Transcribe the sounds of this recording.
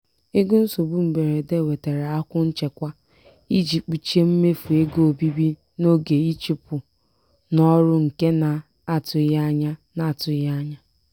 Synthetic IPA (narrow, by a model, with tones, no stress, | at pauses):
e˦ɡu˦n̩˦so˨bu˦m̩˨be˨ɾe˨de˦˨we˨te˨ɾe˨a˦kʷʊ˦n̩˦t͡ʃe˨kʷa˦ | i˦d͡ʒi˨k͡pu˨t͡ʃe˦m̩˦me˦fu˨e˦ɡo˨bi˦bi˦ | no˦ɡe˨i˦t͡ʃi˨pʊ˨ | nɔ˦ɾʊ˦ŋ̩˨ke˦na˨ | a˨tʊ˨˦ja˦ɲa˦na˨tʊ˨˦ja˦ɲa˦